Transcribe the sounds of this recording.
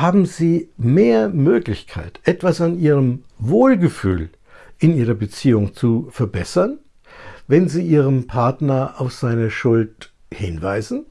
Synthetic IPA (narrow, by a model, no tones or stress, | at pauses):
haːbm̩ziːmeːɐmøːklɪçkʰa̰ɪtʔɛtv̥asanʔiːʁəm | voːlɡəfy̰ːl | ʔɪniːʁɐbət͡siːʊŋt͡sufɛɐbɛsɐn | vɛnziːʔiːʁəmpʰaɐtnɐʔaʊfz̥aɪnəʃʊlt | hɪnvaɪzn̩